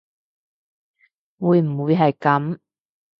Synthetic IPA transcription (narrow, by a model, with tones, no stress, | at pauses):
wuː˨˧jm̩˨˩wuː˨˧jɦɐ˨jkɐ˨˥m